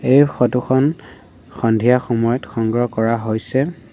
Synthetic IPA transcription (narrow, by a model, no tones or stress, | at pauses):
ejxɔtuxʰɔn | xɔndʱijaxɔmɔjɔtxɔŋɡɹɔkɔɹaɦojsɛ